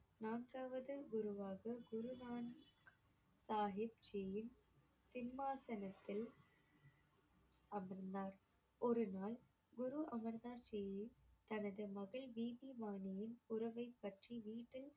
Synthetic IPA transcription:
naːɳɡaːʋɐðɯɡʊɾʊʋaːɣɐɡʊɾʊʋaːn | saːɦɪb̚t͡ʃejɪn | sɪnmaːsɐnɐt̪ːɪl | ɐmɛɾnd̪aːɾ | ɔɾɯnaːl | ɡʊɾuʔɐmɐɾnd̪aːt͡ʃejjɪt̪ɐnɐðɯmɐɣɐɭʋiːbiʋaːnɪjɪnʊɾɐʋɐɪpːɐʈriʋiːʈːɪl

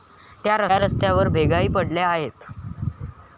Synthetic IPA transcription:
t̪jaɾəɾəst̪jaʋəɾbʱeɡaiːpəɽljaaɦet̪

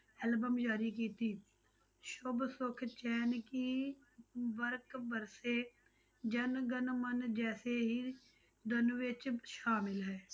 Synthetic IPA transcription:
ɛːlbəmd͡ʒaːɾikiːt̪iː | ʃʊbsʊkʰt͡ʃɛːnki | ʋəɾkbəɾse | d͡ʒənɡənmənd͡ʒɛːseɦiː | d̪ənʋet͡ʃʃaːmɪlɦɛː

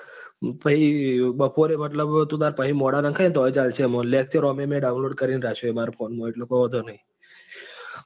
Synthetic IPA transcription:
pəibəpoɾemət̪ləbt̪ũd̪aɾpəɦimoɽanə̃ŋkʰaj̃t̪ɔt͡ʃalt͡ʃʰemõlek̚ʰt͡ʃʰeɾomemẽɖaunloɖ̚kəɾinɾat͡ʃʰoemaɾopʰonmõeʈlokoɦɔt̪̬onəɦĩ

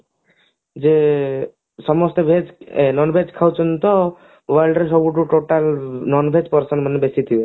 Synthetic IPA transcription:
d͡ʒe | sɔmɔst̪ebʱed͡ʒnɔnbʱed͡ʒkʰawt͡ʃʰɔnt̪ɔ | ʋəɾɭlɖɾes̬ɔbuʈuʈoʈalnɔnbʱed͡ʒpɔɾsənmənebesit̪ʰiju

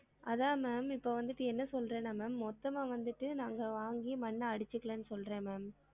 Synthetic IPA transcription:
ɐðaːmaːmɪpːoːʋɐnd̪ɯʈːɯɛnːɐsɔlrẽːnamɛːmːɔt̪ːɐmaːʋɐnd̪ɯʈːɯnaːŋɡɐʋaːŋɡimɐnːɐɐɽɪt͡ʃːɯkːɐɭɐːnːɯsɔlɾẽːmaːm

